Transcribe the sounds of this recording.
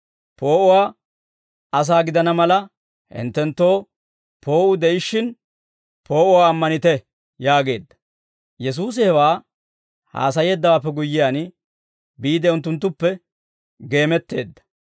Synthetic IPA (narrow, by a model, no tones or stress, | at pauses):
po̞ːʔʊwaː | ɐs̬aːɡɪd̪ɐnɐmɐlɐ | hɪ̰nt̪ːɛnt̪ːo̞ː | pʰo̞ːʔʊd̪ɛʔɪʃːɪn | po̞ːʔʊwaːmːɐnɪt̪ɛ | jaːɡe̞̰ːd̪ːɐ̥ | jɛs̬uːs̬ɪhɛwaː | ha̰ːs̬ɐje̞ːd̪ːɐwaːpːɛɡʊjːɪjaːn | biːd̪ɛʊnt̪̬ːʊnt̪̬ːʊpːɛ | ɡe̞ːmɛt̪ːe̞ːd̪ːɐ̥